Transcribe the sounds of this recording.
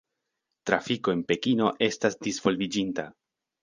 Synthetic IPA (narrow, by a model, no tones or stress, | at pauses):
tɾafiko̞e̞npe̞kino̞ʔe̞stasdisv̥o̞lvid͡ʒinta